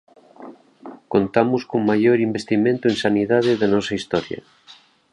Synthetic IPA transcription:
kont̪amuskoŋmaʝoɾimbest̪imẽnt̪oensaniðað̞eðanɔsaist̪ɔɾja̰

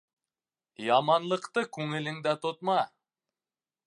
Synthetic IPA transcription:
jɑmɑnlˠɤqt̪ɤkʲʰɵŋɪlɪŋd̪æt̪ʰot̪mɑ

